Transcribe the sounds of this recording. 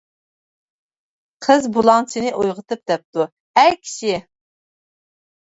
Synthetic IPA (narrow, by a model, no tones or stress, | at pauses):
qʰəzbulˠɑŋt͡ʃʰinɨʔojʁət̪ɨp̚d̪ɛp̚t̪u | æɾkʲʰi̥ʃɪ